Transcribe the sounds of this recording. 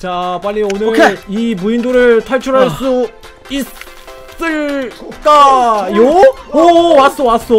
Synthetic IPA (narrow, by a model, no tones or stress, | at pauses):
t͡ɕap͈aʎːionɯimuindoɾɯɭtʰaɭt͡ɕʰuɾɦaɭs͈u | is | s͈ɯɭk͈ajoowas͈owas͈o